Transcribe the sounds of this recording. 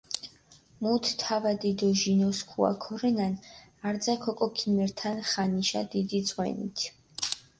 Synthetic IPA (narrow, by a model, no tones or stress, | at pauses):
mut̪ʰt̪ʰːavad̪id̪ɔʒinɔskʰua̰kʰɔɾɛnanaɾd̪zakʰɔkʼɔkʰimɛɾt̪ʰanχaniʃa̰d̪id̪it̪sʼʁwɛ̰nḭt̪ʰ